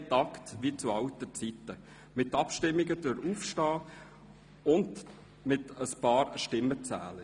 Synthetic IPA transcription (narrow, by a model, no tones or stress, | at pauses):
t̪ɑktʋit͡suɑltət͡sitːə | mɪt̪ːɑpʃtɪmːiɡəd̥øɾuːfʃtɑː | ʊnd | mɪtəspɑːɾʃtɪmːət͡sæ̰ːlə